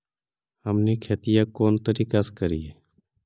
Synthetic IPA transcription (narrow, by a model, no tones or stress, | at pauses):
həmneːkʰeːt̪ɪjãːkoːnt̪əɾiːkaːskəɾiːeː